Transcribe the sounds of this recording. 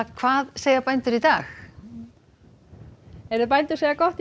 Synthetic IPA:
kʰv̥aːðseːjapajnt̪ʏɾit̪aːx | ɛɾðʏpajnt̪ʏɾ̥seːjakɔht̪

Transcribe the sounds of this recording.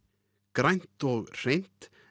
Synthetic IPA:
kɾajn̥t̪ɔɣr̥ejn̥t̪

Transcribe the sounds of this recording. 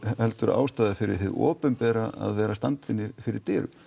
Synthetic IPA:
hɛlt̪ʏɾa̰ːwst̪aːðafɪɾɪ̰ɾ̥ɦɪðɔ̰ːpʏnpɛːɾaa̰ðvɛːɾast̪ant̪ɪnːɪɾfɪɾɪɾ̥t̪ɪːɾʏ̰

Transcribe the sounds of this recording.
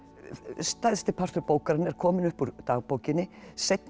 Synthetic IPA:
st̪ajðst̪ɪpʰar̥t̪ʏɾpoːwkaɾɪnɛɾ̥kʰɔːmɪnʏhpuɾt̪aːɣpoːwcɪnːɪ | sejt̪

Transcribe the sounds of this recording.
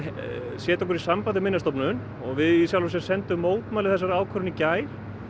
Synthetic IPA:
sjɛːt̪ɔwkʏɾisampajðɪmɪnːast̪ɔpnʏn | ɔɣvɪðisjawlʏsjɛɾ̥sɛnt̪ʏmːoːwt̪maːlɪθɛs̬ːaɾaːwkʰœɾʏnicaːjɾ̥

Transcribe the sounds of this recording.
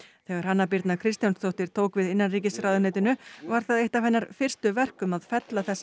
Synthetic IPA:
θɛːɣaɾ̥hanːap̬iɾt̪nakʰɾɪst̪janst̪ʰowht̪ɪɾ̥t̪ʰoːwkvɪðɪnːanriːcɪsɾaːwðʏneːt̪ɪnʏvaɾ̥θaðejht̪afɛnːaɾfɪr̥st̪ʏvɛr̥kʏmaðfɛt̪laθɛsː

